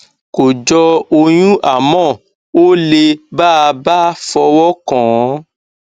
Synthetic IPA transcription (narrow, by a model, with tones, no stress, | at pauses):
ko˨d͡ʒɔ˧o˧j̃ũ˦ʔa˦˨mɔ̃˦˨ | o˦le˧ba˦˨a˧ba˦fɔ˧wɔ˦kɔ̃˨˦